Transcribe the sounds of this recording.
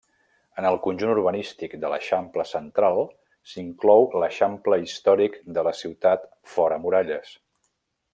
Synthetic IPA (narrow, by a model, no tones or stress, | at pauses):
ənəlˠkunʲʒunuɾβənist̪ikd̪ələ̰ʃampləsənt̪ɾalˠ | siŋklɔwləʃampləist̪ɔɾikd̪ələsiwt̪at̪ | fɔɾəmuɾaʎəs